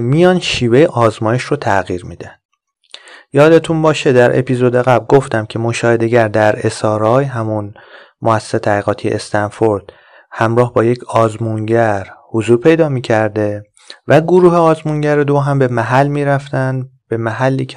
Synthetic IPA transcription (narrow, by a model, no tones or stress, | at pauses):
mijɒːnʃiːve̞jeʔɒːzmɒːjeʃrot̪ʰæɣiːɾmiːd̪ændd̥̪ | jɒːd̪e̞t̪ʰunbɒːʃe̞d̪æɾʔḛpʰizod̪eɣæblɡoft̪æmcʰe̞moʃɒːhe̞d̪e̞ɟæɾd̪æɾe̞sɒːɾɒːjɦæmun | mʔoæsːe̥set̪ʰæɣiːɣɒːt̪ʰijḛest̪ænfoɾd̪̥ | hæmɾɒːhbɒːje̞cʰɒːzmunɟæɾhozuːɾpʰe̞jd̪ɒːmiːcʰæɾd̪e̞ | væɡoɾuːheɒːzmunɟæɾed̪oɦæmbe̞mæɦælːmiːɾæft̪ænbe̞mæɦælːiːcʰ